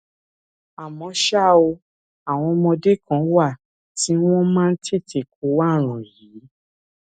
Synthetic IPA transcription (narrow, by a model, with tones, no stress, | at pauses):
a˨mɔ̃˧ʃa˦˨o˧ | a˨w̃ɔ̃˧mɔ̃˧de˦˨kã˦wa˦˨ | ti˨˦w̃ɔ̃˦mãː˦n̩˦te˦˨tʰe˨k̚o˨˦wa˦˨ɾ̃ɔ̃˨ji˨˦